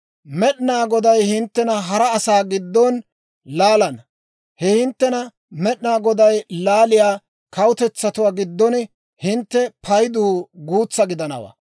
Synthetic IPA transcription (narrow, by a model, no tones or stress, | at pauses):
mɛɗnaːɡɔd̪ɐjhɪnt̪ːɛnɐɦɐɾɐːsaːɡɪd̪ːɔn | laːlɐn | hɛhɪnt̪ːɛnɐ | mɛɗnaːɡɔd̪ɐjlaːlɪjaː | kɐwʊt̪ɛt͡sːɐt̪ʊwaːɡɪd̪ːɔn | hɪnt̪ːɛpʰɐjd̪uːɡuːt͡sːɐɡɪd̪ɐnɐ̰wa̰ː